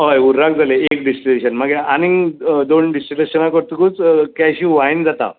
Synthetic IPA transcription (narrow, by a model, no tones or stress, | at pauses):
ɦojuɾɾakd͡zaleek̚ɖisʈileɕənmaɡjeanid̪onɖisʈileɕənakəɾt̪ukut͡skajɕiːʋaind͡zat̪a̰